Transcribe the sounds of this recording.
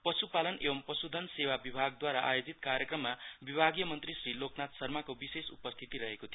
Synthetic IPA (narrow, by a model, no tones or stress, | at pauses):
pʌsupalʌnebʌmpʌsud̪ʱʌnsewabibʱaɡd̪waɾaʔajod͡zit̪kaɾjʌkrʌmːabibʱaɡjʌmʌnt̪risriloknat̪sʌrmakobisesṵpʌst̪ʰit̪iɾʌɦekot̪ʰi